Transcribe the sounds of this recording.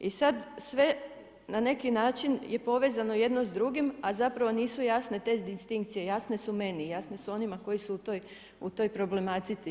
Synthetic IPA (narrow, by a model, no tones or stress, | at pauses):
isad̪sʋe̞ | nane̞kinaːt͡ʃinje̞po̞ʋe̞ːzano̞je̞d̪no̞zd̪ɾuɡimazapɾaʋo̞niːsujasne̞t̪e̞d̪ist̪iŋkt̪sije̞jasne̞sume̞nijasne̞suo̞nimako̞jisuut̪oj | ut̪o̞jpɾo̞ble̞mat̪it̪si